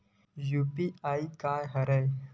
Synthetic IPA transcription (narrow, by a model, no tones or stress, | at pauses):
jupiaikajɦəɾəj